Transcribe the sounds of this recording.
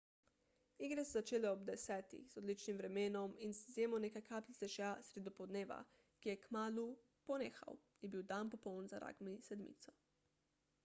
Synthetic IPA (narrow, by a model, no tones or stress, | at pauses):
iɡɾɛsɛzat͡ʃeːlɛɔbd̪ɛsɛːt̪ḭxzɔd̪liːt͡ʃnimvɾɛmeːnɔminzzjeːmɔneːkajkʰaːplit̪ɛʒasɾed̪ɔpɔd̪neːʋa̰ | kijɛkmaːlu | pɔneːxa̰w | jɛbiwd̪anpɔpɔwnzaɾa̰ːɡmisɛd̪mḭt̪sɔ̥